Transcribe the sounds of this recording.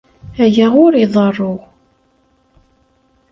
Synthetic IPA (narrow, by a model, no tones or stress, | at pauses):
æjæʁʊɾiðˤərˤːoʁ